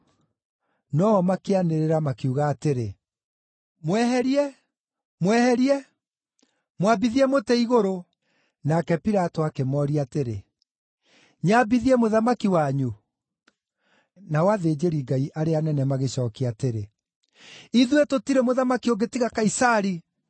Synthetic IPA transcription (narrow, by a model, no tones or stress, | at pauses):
nɔɔmakeaneɾeɾamakiuɣaːteɾe | mwɛhɛɾiɛ | mwɛhɛɾiɛ | mwabiðiɛmotɛiɣoɾo | nakɛpiɾatɔakemɔːɾiateɾe | ɲabiðiɛmoðamakiwaɲu | nawaðeːd͡ʑeɾiɡaiʔaɾeanɛnɛmaɣeɕɔːkiateɾe | iðuɛtotiɾemoðamakioɡetiɣakaisaɾi